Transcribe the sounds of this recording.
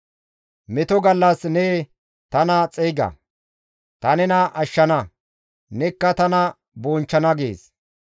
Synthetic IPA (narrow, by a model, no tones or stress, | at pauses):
mɛt̪ɔɡɐlːɐsneː | t̪ɐnɐt͡sʼɛjɡɐ̰ | t̪ɐnɛnɐʔɐʃːɐnɐ | nɛkːɐt̪ɐnɐ | boːnt͡ʃːɐnɐɡḛːs